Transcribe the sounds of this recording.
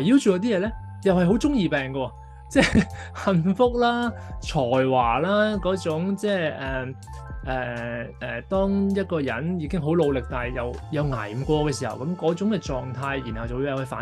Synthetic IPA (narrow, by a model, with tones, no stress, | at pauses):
jiː˧wt͡ʃyː˨˩jɐ˨˧t̪iː˥jɛː˨˧lɛː˥ | jɐ˨whɐ˨jɦo˨˥wt͡sʊ˥ŋjiː˨pɛː˨ŋkɔː˧ɔ˧ | t͡sɛː˥˧˩hɐ˧nfʊ˥k̚laː˥t͡ʃʰɔː˨˩jwaː˨˩laː˥kɔː˨˥t͡sʊ˨˥ŋt͡sɛː˥˩ʔɛː˨˩ʔɛː˨˩ʔɛː˨˩t̪ɔː˥ŋjɐ˥t̚kɔː˧jɐ̰˨˥njiː˧kɪ˥ŋɦo˨˥wlo˨˧wlɪ˨k̚t̪aː˨jjɐ˨wjɐ˨˧wŋa̰ː˨˩jkʷɔː˧kɛː˧si˨˩hɐ̰˨˩wkɐ˨˥mkɔː˨˥t͡sʊ˨˥ŋkɛː˧t͡sɔː˨ŋt̪ʰaː˧jji˨˩nhɐ˨wt͡sɐ˨wiː˧jɐ˨˩hɐ˨˩faː˨˥